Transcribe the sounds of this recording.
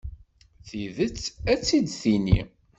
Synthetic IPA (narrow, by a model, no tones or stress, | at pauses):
θiðət͡sːæt͡sːid̪θinḭ